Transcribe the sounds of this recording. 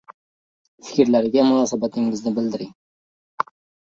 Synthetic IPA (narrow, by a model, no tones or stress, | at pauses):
fɪ̥kʲɾlaɾɪɡʲamʊnɑːsabat̪ʰɪŋɪznɪbɪld̪ɪɾɪŋ